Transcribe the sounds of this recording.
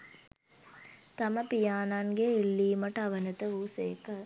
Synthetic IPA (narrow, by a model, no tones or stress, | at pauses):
t̪ɐmɐpijaːnaːŋɡeːilːiːmɐʈɐʋɐnɐt̪ɐʋuːseːkɐ